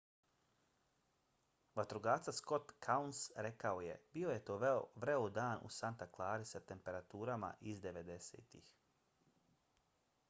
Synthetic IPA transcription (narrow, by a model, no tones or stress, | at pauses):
ʋat̪ɾuɡaːt̪sasko̞t̪kʰaunsɾe̞kao̞je̞̰bio̞je̞t̪o̞ːʋɾe̞od̪aːnʔṵsant̪aklˠaːɾisat̪e̞mpe̞ɾat̪uːɾama̰ʔizd̪e̞ʋe̞d̪e̞sḛːt̪ḭx